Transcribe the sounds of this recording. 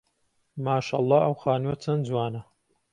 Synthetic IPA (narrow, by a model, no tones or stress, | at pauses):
maːʃa̰ːlˤˠːɑːʔɐwxaːnwɐt͡sʰɐnd͡zwaːnɐ